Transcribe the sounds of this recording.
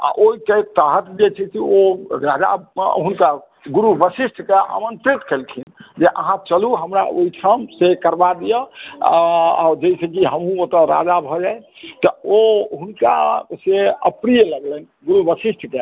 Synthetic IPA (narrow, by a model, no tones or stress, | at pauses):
a̰ʔoiket̪əɦət̪d͡ʒet͡ʃʰɛsioɾad͡ʒa̰ɦunka | ɡuɾubəsisʈʰkea̰mənt̪ɾit̪kelt̪ʰind͡ʒeʔə̰ɦãt͡ʃəluɦəmɾa̰o̰iʈʰəmsekəɾbad̪ijə | a̰ɾd͡ʒəisekiɦəmɦũot̪əɾa̰d͡ʒabʱɔd͡ʒaj | t̪ɔoɦunka̰seəpɾijələɡlən | ɡuɾubəsisʈʰke